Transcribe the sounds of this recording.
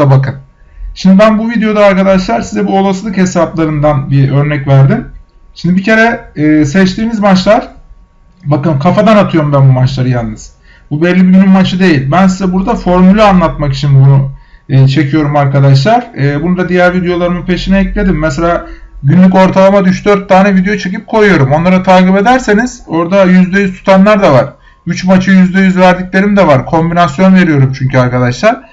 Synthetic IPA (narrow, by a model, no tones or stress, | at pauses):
abakʰɯn | ʃimd̪ibænbuvid̪ejo̞d̪aːɾkad̪aʃlˠaɾsizɛbuolˠasɯlˠɯkhe̞saplˠaɾɯnd̪anbiø̞ɾnɛcvæɾd̪im | ʃimd̪ibicʰe̞ɾɛːsɛt͡ʃt̪ʰiːnizmat͡ʃlˠaɾ̥ | bakɯmkʰafad̪anat̪ʰɯjo̞ɾumbænbumat͡ʃlˠaɾɯjannːɯz̥ | bubɛlʲːibiɟynymmat͡ʃʰɯd̪e̞jilʲbæns̬izɛbuɾd̪afo̞ɾmylʲˠaanlˠat̪makit͡ʃʰinbunuːt͡ʃʰe̞cʰijo̞ɾumaɾkad̪aʃ̬lˠaɾ̥ɛːbund̪ad̪ijæɾvid̪ejo̞lˠaɾɯmɯpʰe̞ʃinɛɛclʲe̞d̪imːɛselʲaː | ɟynlʲyco̞ɾt̪ʰalˠamad̪yt͡ʃd̪ø̞ɾt̪ʰːaːnɛvid̪ejot͡ʃʰe̞cip̚kʰo̞jujo̞ɾumo̞nlˠaɾat̪ʰaːkibe̞d̪æɾseniz̥o̞ɾd̪ajyzd̪ɛjyzt̪ʰu̥t̪ʰanlˠaɾd̪avaɾ̥ | yt͡ʃmat͡ʃʰɯjyzd̪ɛjyzvæɾd̪icʲlʲe̞ɾimd̪ɛvaɾkʰo̞mbinasjo̞nve̞ɾijo̞ɾumt͡ʃʰyɲcyaɾkad̪aʃlˠaɾ̥